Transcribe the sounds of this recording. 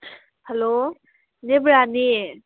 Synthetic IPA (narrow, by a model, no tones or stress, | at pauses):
helo | nebɾani